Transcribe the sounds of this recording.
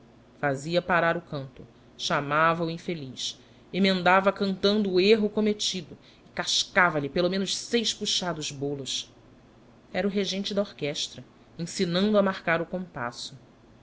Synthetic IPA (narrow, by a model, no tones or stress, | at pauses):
faziɐpaɾaɾʊkɐ̃nt̪ʊ | ʃamavɐuĩfeliʃ | emẽnd̪avɐkɐ̃nt̪ɐ̃nd̪ʊːeɦʊkomet͡ʃid̪ʊ | ɪkaʃkavɐʎɪpelomẽnʊʃsejʃpuʃad̪ʊzbolʊs | ɛɾʊɦeʒẽnt͡ʃɪd̪ɐoɾkɛʃt̪ɾɐ | ẽsinɐ̃nd̪ʊɐmahkaɾʊkõmpa̰sʊ